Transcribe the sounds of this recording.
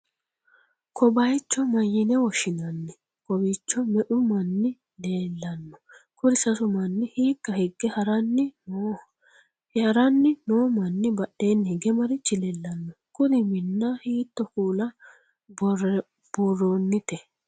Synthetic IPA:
kʰɔbɐjt͡ʃːɔmɐjːɪnɛwɔʃɪnɐnːɪ | kɔbit͡ʃːɔmɛʔʊmɐnːɪ | le̞ːlːɐnːɔ̥kʊd̪ɪsɐsʊmɐnːɪhiːkːɐhɛɡːɛhɐɾɐnːɪnoː | ɐɾɐnːɪnoːmɐnːɪbɐɗe̞ːnːhɛɡɛmɐɾɪt͡ʃːɪlɛlːɐnːɔ | kʊd̪ɪmɪnːɐhiːt̪ːɔkuːlɐ | b̥urːonːɪt̪ɛ

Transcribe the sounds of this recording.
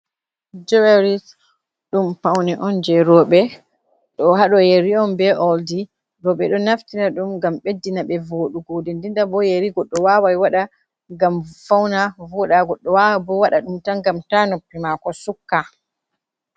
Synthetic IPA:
d͡ʒɛwaɾis | ɗumpawniʔɔnd͡ʒɛɾɔɓɛ | ɗɔɦaɗɔjeɾiɔnbɛʔɔldi | ɾɔɓɛɗɔnaftinaɗumɡamɓedːinaɓɛvoɗuɡoːdɛndindabɔjeɾiɡɔɗːɔwawajwaɗa | ŋɡamfawnavɔɗaɡɔɗːɔwabɔwaɗaɗumtaŋɡamtanɔpːimakɔsukːa

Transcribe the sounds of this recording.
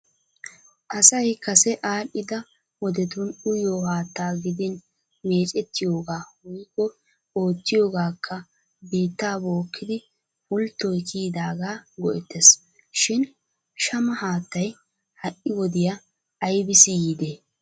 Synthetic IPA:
ʔɐsɐjkɐsɛʔaːɗɪd̪ɐ | wɔd̪ɛt̪ʊnʊjoːhaːt̪ːaːɡɪd̪ɪn | me̞ːt͡ʃʼɛt̪ːɪjo̞ːɡaːwʊjkːɔ | o̞ːt̪ːɪjo̞ːɡaːkʰːɐ | biːt̪ːaːbo̞ːkʰːɪd̪ɪ | pʊlt̪ːɔjkiːd̪aːɡaːɡɔʔɛt̪ːɛs | ʃɪn | ʃɐmɐhaːt̪ːɐj | hɐʔɪwɔd̪ɪjaː | jbɪsɪjiːd̪eː

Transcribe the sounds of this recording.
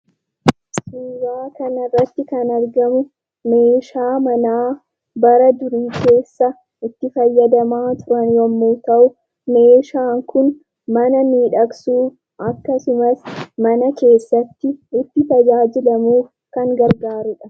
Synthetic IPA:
suːɾaːkɐnɐrːɐt̪ːɪkɐnɐɾɡɐmʊ | me̞ːʃaːmɐnaː | bɐɾɐd̪ʊɾiːkʰe̞ːsːɐ | ɪt̪ːɪfɐjːɐd̪ɐmaːt̪ʊɾɐnwɔmːuːt̪ɐʔʊ | me̞ːʃaːŋkʊn | mɐnɐmiːᶑɐksuːf | ɐkːɐsʊmɐsmɐnɐke̞ːsːɐt̪ːɪɪt̪ːɪt̪ɐd͡ʒaːd͡ʒɪlɐmuːf | kɐŋɡɐɾɡaːɾʊᶑɐ

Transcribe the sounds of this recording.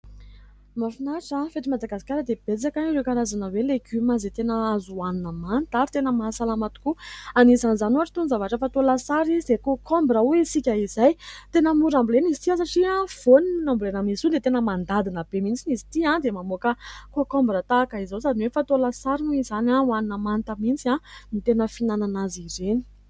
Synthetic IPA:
mafinaʈ͡ʂafet̪imad̪aɡasi̥kaɾəd̪eb̥et͡sakanɾekaɾazanəweleɡymazet̪enəazuannəmant̪aɾt̪enəmasalamat̪u̥kuanizanizanuaʈ͡ʂi̥t̪unizavaʈ͡ʂəfat̪olasaɾizid̪ekokʰɔmbɾəuisikʲəizajt̪enəmuɾambulenizi̥t̪ias̬aʈ͡ʂiãv̥oniinambulenəmisud̪et̪enəmand̪ad̪inəb̥emint͡sinizi̥t̪iãd̪emamokəkokɔmbɾət̪akaizosad̪inwefat̪olasaɾinuizanauaninəmant̪əmint͡siamit̪enəfinananazireni̥

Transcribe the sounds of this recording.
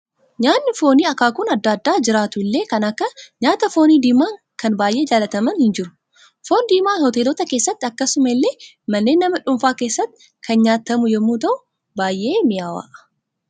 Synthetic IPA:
ɲaːnːɪfo̞ːniːɐkaːkʊnɐd̪ːad̪ːaːd͡ʒɪɾaːt̪ʊɪlːe̞ːkɐnɐkːɐɲaːt̪ɐfo̞ːniːd̪iːmaːŋ | kɐnbaːjʔe̞ːd͡ʒaːlɐt̪ɐmɐnhɪnd͡ʒɪɾʊ̥ | fo̞ːnd̪iːmaːnhɔt̪eːlot̪ɐkeːsːɐt̪ːɪɐkːɐsʊmɐɪlːe̞ː | mɐnːe̞ːnːɐmɐᶑʊmfaːke̞ːsːɐt̪ːɪ̥ | kʰɐnɲaːt̪ːɐmʊjɛmːuːt̪ɐʔʊ | baːjʔe̞ːmɪjaːwa̰ːʔɐ̥

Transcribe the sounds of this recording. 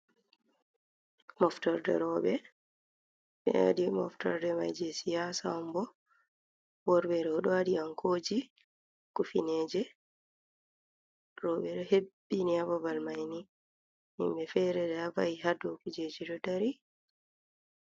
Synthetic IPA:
mɔftɔɾdɛ̰ɾɔːɓɛ | ɓɛ̰a̰dimɔ̰ftɔ̰ɾdɛma̰jd͡ʒɛsijasaɔmbɔ | wɔɾbɛɾɔɔɗɔaɗiaŋkʰoːd͡ʒi | kufineːd͡ʒɛ | ɾɔɓɛɗɔhebːiniabɔbalmajni | mḭmbɛfɛɾɛdɛavajiɦadɔkud͡ʒed͡ʒiɗɔdaɾi

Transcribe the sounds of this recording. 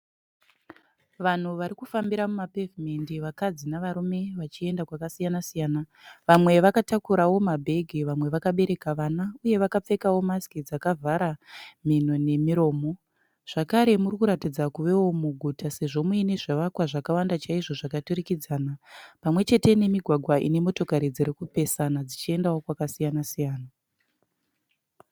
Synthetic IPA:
ʋan̤uʋaɾikufambiɾamumapevmendiʋakad͡zinaʋaɾume̞ʋat͡ʃie̞ndakwakasijanasijaːnaʋamwe̞ʋakatakuɾawo̞mabʱe̞ɡʱiʋamwe̞ʋakaɓe̞ɾe̞kaʋanauje̞ʋakap͡fe̞kawo̞maskid͡zakavʱaɾamin̤one̞miɾo̞ːmo̞ | ʐ̥akaɾe̞murikuɾatid͡zakuʋe̞wo̞muɡʱutase̞ʐo̞muine̞ʐeʋakwaʐakawandat͡ʃaiʐo̞ʐakatuɾikid͡zaːnapamwe̞t͡ʃe̞te̞ne̞miɡʱwaɡʱwaʔḭne̞mo̞to̞kaɾid͡ziɾikupe̞sanad͡zit͡ʃie̞ndawo̞kwakasijanasijaːna

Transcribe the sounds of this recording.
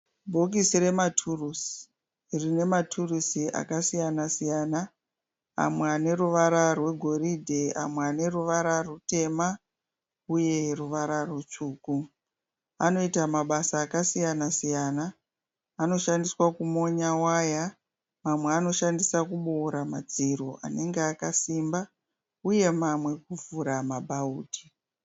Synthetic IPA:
bʱo̞k̬isiɾe̞matʰurusi̥ | rine̞matʰurusiʔa̰kasijanasijana | a̰mweane̞ɾuʋaɾarwe̞ɡʱo̞ɾidʱe̞a̰mweane̞ruʋaɾarute̞ma | uje̞ruʋaɾarwet͡ʃuːku | a̰no̞itamaɓasaːkasijanasijaːnaː | no̞ʃandiswakumo̞ɲawaja | mamweano̞ʃandisakuɓoːɾamad͡ziɾoʔa̰ne̞ŋɡeakasimba | uje̞mamwe̞kuvuɾamabʱauːtʰi̥

